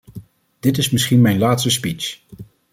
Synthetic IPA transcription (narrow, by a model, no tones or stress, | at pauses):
d̥ɪtɪsmɪsχinmɛjnlaːtstəspit͡ʃ